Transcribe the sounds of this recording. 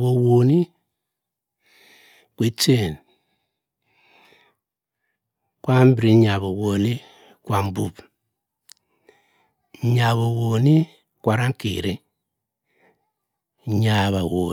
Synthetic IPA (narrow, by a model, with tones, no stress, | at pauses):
βo˨wo˨ni˦ | kwe˨t͡ʃe˦˨n | kwa˦m˦bɾi˦ɲa˨βo˨wo˨ni˦ | kwa˨m˦bu˦˨b | ɲa˨βo˨wo˨ni˦ | kwa˨ɾa˦ŋ˦kḭ˨ɾe˦ | ɲa˨βa˨wo˨